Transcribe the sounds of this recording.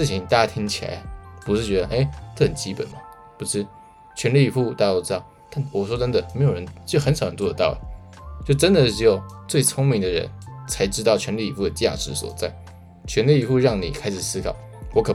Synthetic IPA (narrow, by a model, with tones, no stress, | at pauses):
ʂɻ̩˥˩t͡ɕʰi˧˥ŋt̪a˥˧˥t̪ʰi˥ŋt͡ɕʰi˨la̰˧˥pu˧˥ʂɻ̩˥˩t͡ɕɥɛ˧˥d̪ə˧ʔe˥˩ɪʈ͡ʂə˥˩xə˨˩nt͡ɕi˥pə˨˩nmɐ˦ | pu˧˥ʂɻ̩˥˩ | t͡ɕʰɥɛ˧˥nli˥˩i˨˧fu˥˧t̪a˥˩˧t̪o˥ʊʈ͡ʂɻ̩˥ɑ˥˩ʊt̪a˥˩nwɔ˨˩ʂwɔ˥tə˥nd̪ə˨˩me˧˥jo˨˩ʊɻə˧˥nt͡ɕxə˧˥nʂɑ˨˩ʊɻə˧˥nt͡swɔ˥˩ə˨˧t̪ɑ˥˩ʊlə˨˩ | t͡ɕjo˥˩ʊʈ͡ʂə˥nd̪ə˨ʂɻ̩˥˩jo˥˧˩ʊt͡swe˥˩ɪt͡sʰʊ˥ŋmi˧˥ŋd̪ə˧ɻə̰˧˥nt͡sʰa˧˥ɪʈ͡ʂɻ̩̬˥ɑ˥˩ʊt͡ɕʰɥɛ˧˥nli˥˩i˨˧˩fu˥˩d̪ə˩t͡ɕja̰˥˩ʂɻ̩˧˥swɔ̰˨˩t͡sa˥˩ɪ | t͡ɕʰɥɛ˧˥nli˥˩˧fu˥˧ɻɑ˥˩ŋnḭ˨˩kʰa˥ɪʂɻ̩˨˩sɹ̩˥kʰɑ˨˩˦ʊ | wɔ˧˥kʰɤ˨˩